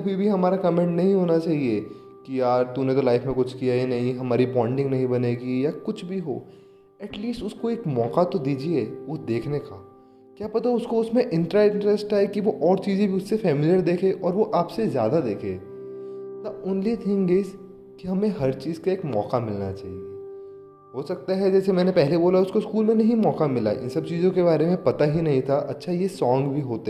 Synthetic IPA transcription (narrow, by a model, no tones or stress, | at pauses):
ɐbʱibʱiɦɐmaːɾakɐmẽɳʈnɐɦĩɦoːnat͡ʃaːɦie | kijaːɾt̪unet̪olaːɪfmẽkʊt͡ʃʰkijainɐɦĩɦɐmaːɾipɔ̃ːɪ̃ɳɖɪ̃ŋɡnɐɦĩbɐneːɡijakʊt͡ʃʰbʱiɦo̰ː | ɛʈliːsʈʊskoeːkmɔːkat̪od̪iːd͡ʒieʋod̪eːkʰnekaː | kjaːpɐt̪aʊskoʊsmẽʔɪ̃ɳʈɾaɪ̃ɳʈɾesʈaekiʋoʔɔːɾt͡ʃiːzẽbʱiʊsːefɛːmɪlijəɾd̪eːkʰeʔɔːɾʋoʔaːpsezja̰ːd̪ad̪eːkʰḛː | naʊnliet̪ʰĩŋɡeːs | kiɦɐmẽɦɐɾt͡ʃiːzkaeːkmɔːkamɪlna̰t͡ʃa̰ːɦie | ɦoːsɐk̚t̪aɦɛd͡ʒɛːsemɛ̃ːnepɛɦleboːlaʊskoskuːlmẽnɐɦĩmɔːkamɪla̰ʔɪ̰̃nsɐb̚t͡ʃiːzõkeβaːɾemẽpɐt̪aɦinɐɦĩt̪ʰaʔɐtːʃʰajesɔ̃ːŋɡbʱiɦoːt̪e